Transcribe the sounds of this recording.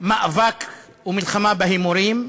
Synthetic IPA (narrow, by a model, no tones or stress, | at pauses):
maʔvak | wmɪlxamaːbaɦimʊɾiːm